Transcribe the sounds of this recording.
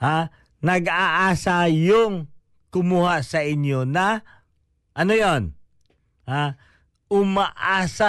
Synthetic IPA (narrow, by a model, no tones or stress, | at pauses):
ha | nɐɡaʔaːsɐjoŋ | kʊmuhasɐʔɪnjonɐ | ʔɐnojon | ha | ʔʊmɐʔaːsa